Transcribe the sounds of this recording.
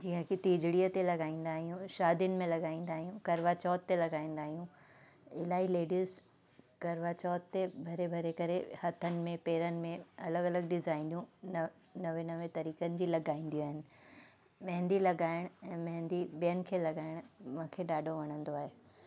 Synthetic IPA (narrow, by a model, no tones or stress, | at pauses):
d͡ʑiɦə̃kʰit̪iːd͡ʑɽiət̪elɐɡaːĩːn̆d̪aːɦijũʃaːd̪ʱjʊnɪ̆mẽlɐɡaːĩːn̆d̪aːɦijũkɐɾʋat͡ɕɔːt̪ːelɐɡaːĩːn̆d̪aːɦijũ | ɪlaːɦileːɖiːz | kɐɾʋat͡ɕɔːt̪t̪ːebʱɐɾebʱɐɾekɐɾehɐt̪ʰənɪ̆mẽpeːɾənɪ̆mẽɐləɡɐləɡɖɪzaːɪnjũnɐ | nɐʋenɐʋẽt̪ɐɾiːkənɪ̆d͡ʑiːlɐɡaːĩːn̆d̪ijoaːɦɪnɪ̆ | mɐ̃ɦɪ̃nd̪ilɐɡaːɪɽ̃ɛ̃ːmɐ̃ɦɪ̃nd̪ibijənɪ̆kʰeːlɐɡaːɪɽ̃mɐ̃kʰeɗaːɖʱoʋɐɽ̃ə̃nd̪oaːɦeː